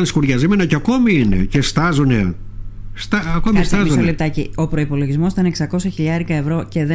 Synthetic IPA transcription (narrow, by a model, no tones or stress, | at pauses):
nskuɾʝɐzimenɐceɐko̞miinḛce̞st̪ɐzune̞̰ | st̪ɐɐkomist̪ɐzusolep̚t̪ɐcio̞pɾo̞ipo̞lo̞ʝizmo̞st̪ɐneksɐko̞sɐçiʎɐɾikɐevɾo̞ce̞ðe